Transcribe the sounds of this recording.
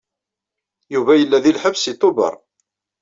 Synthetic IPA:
juvæjəlːæðilħəbsit̪ːʊbə̰ɾˤ

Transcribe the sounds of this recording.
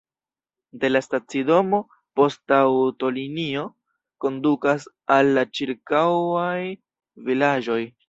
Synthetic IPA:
de̞lastat͡sido̞mo̞ | po̞stawto̞linio̞ | ko̞ndukas | alːat͡ʃiɾkawaj | vilad͡ʒo̞j

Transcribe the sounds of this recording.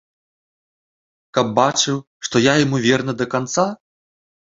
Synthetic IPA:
kɐb̚ːat͡ʂɨw | ʂt̪ɔjajamuvʲɛrnɨd̪ɐkant̪sa

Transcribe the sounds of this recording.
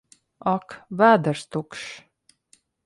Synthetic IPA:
ɑkvæːd̪əɾst̪ukʃ

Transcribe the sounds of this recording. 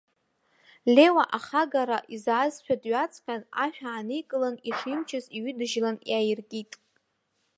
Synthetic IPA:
lʲe̞waʔaχaɡaɾaʔizazʃᶣadɥat͡sʼʰkʲʰana̰ħᶣaːnijkʼɨlaniʂimt͡ʃʰɪziɥʏdɨʒlanjajɪrkʲʼitʼ

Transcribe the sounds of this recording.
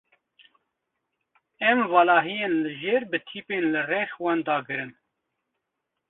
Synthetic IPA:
ɛmvɑːlɑːɦijeːnlɨʒeːɾbɨt̪ʰiːpeːnlɨrɛxwɑːnd̪ɑːɡɨɾɨn

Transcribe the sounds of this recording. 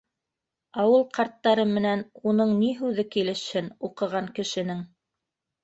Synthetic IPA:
ɑwɤlˠqɑɾt̪ːɑɾɤmɘ̆nænunɤɴniɦʉðɘkilɘ̆ʃhɘnuqɤ̆ʁɑŋkɘ̆ʃɘ̆nɘŋ

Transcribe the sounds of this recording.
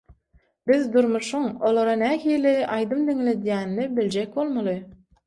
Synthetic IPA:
b̥iðd̪uɾmuʃuŋo̞lˠoɾɑnæɦiːlʲiʔɑjd̪ɯmd̪iŋle̞d̪jæːnːibilʲd͡ʒek̚ʲbo̞lˠmɑlˠɯ

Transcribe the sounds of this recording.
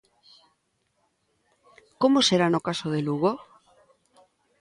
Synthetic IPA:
komoseɾanokasoð̞eluɣo

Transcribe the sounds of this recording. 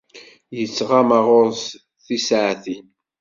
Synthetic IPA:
jət͡sːʁamaʁʊɾs | θisʕθin

